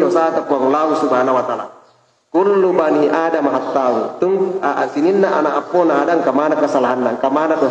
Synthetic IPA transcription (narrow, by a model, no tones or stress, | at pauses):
ɔsat̪apuaŋlausubaɦanawat̪ala̰ | kulːubaniʔadamaɦat̪ːaut̪uŋasininːaʔanaʔapːɔnaadaŋkamanakəsalaɦanːaŋkamanad̪ɔ